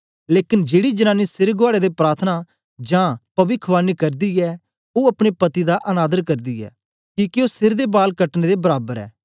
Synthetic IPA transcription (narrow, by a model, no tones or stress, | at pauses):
leːkɪnd͡ʒeːɽid͡ʒənãːnisɪɾɡoaːɽeːd̪epɾaːɾt̪ʰna | d͡ʒãːpɐbɪkʰʋaːnikɐɾd̪iːɛː | oːɐpɽ̃epɐt̪id̪aʔɐnaːd̪əɾkɐɾd̪iːɛ̰ː | kikioːsɪɾd̪ebaːlkɐʈned̪ebɐɾaːbəɾɛ̰ː